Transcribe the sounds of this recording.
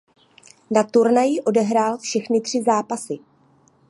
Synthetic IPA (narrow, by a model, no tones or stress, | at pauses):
nat̪uɾnajɪʔo̞dɛɦɾaːlfʃɛxnɪt̪r̝̥ɪzaːpasɪ